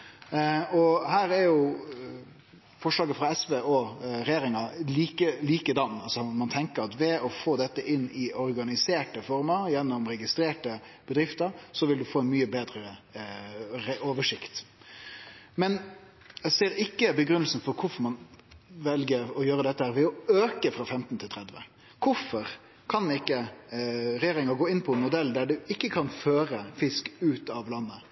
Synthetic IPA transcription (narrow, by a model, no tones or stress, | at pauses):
ɔhæːɾɛɾjʊ | fɔʂlɑːɡəfʁɑɛsʋeːɔɾɛjeːɾɪŋɑliːkəliːkəd̪ɑnːɑlsɔmɑnt̪ʰɛŋkəɾɑt̪ʋɛɔfoːd̪ɛt̪ːəʔɪnːɪɔɾɡɑnɪseːʈəfɔɾməɾjɛnːɔmɾɛɡɪst̪ɾeːʈəb̥əd̪ɾɪft̪əɾsɔʋɪld̪ʉfoːɛnmyːəbeːd̪ɾəə | ɛʔoːʋəʂɪkt̪ | mɛn | ɛseːɾɪkːəbəɡɾʉnəlsn̩fɔɾkʰʊfɔɾmɑnʋɛlɡəɾɔjøːɾəd̪ɛt̪ːəhæːɾʋɛɔøːkəfɾɑfɛmt̪n̩t̪ʰɪt̪ʰɾɛd̪ʋə̰ | kʰʊfɔɾ | kʰɑnɪkːə | ɾɛjeːɾɪŋɑɡoːɪnːpʰɔɛnmʊd̪ɛld̪æɖʉɪkːəkʰɑnføːɾəfɪskʉːt̪ɑʋlɑnːə